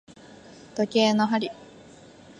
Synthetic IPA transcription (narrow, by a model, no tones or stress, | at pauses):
t̪okʲeːnoɦaɾʲi